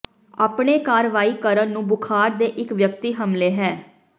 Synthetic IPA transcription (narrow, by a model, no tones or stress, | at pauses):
a̰ːpɳeːkaːɾʋaːiːkəɾənnũːbʊkʰaːɾd̪eːʔɪkʋjəkt̪iːɦəmleːɦɛː